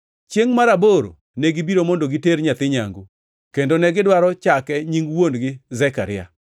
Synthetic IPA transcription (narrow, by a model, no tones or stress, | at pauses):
t͡ʃjeŋmaɾaboɾo̰ | nɛɡibiɾomondoɡɪteɾɲat̪ɪɲa̰ŋɡu | kendonɛɡɪdwaɾɔt͡ʃakɛɲiŋwondɡɪzɛka̰ɾɪa̰